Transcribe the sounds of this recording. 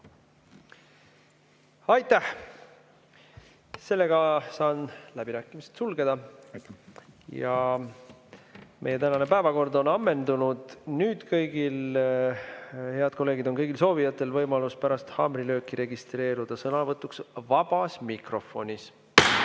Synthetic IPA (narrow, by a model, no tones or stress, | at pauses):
ɑjt̪ːæh | se̞lːe̞ɡ̥ɑsɑːnlæb̥iɾæːkːˑimise̥t̪sulɡe̞d̪̥ɑ | jɑ | mʔeje̞t̪ænɑne̞pæevɑko̞rd̪o̞nɑmːe̞nd̪unud̪̥nyːd̪̥kɤjɡ̥il | he̞ɑd̪̥̚ko̞lːe̞ːɡid̪̥o̞nkɤjɡilso̞ːvijɑt̪ːˑe̞lvɤjmɑluspæɾɑst̪hɑːmrilø̞ːkːˑiɾe̞ɡist̪re̞ːɾud̪̥ɑsɤnɑvɤt̪ːˑuksvɑb̥ɑsmikro̞fo̞nʲis